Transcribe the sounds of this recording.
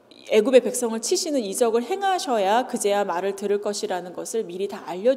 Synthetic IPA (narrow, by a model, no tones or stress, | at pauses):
e̞ɡube̞pe̞k̚s͈ʌŋɯɭt͡ɕʰiɕʰinɯnid͡ʑʌɡɯɭhe̞ŋɦaɕʰʌjakɯd͡ʑe̞wamaɾɯɭtɯɾɯɭk͈ʌɕʰiɾanɯnɡʌsʰɯɭmiɾitaːʎːʌ